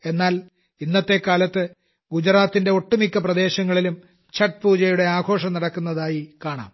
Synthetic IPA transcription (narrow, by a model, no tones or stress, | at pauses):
e̞nːaːl | inːɐt̪ːe̞kːaːlɐt̪ːɨ | ɡud͡ʑɾaːt̪ːinde̞o̞ʈːumikʲːɐprɐd̪e̞ːɕɐŋːɐɭilum | t͡ɕɐʈ̚puːd͡ʑɐjuɽe̞aːɡʰʱo̞ːʂɐmnɐɽɐkːunːɐðaːjikaːɳa̰ːm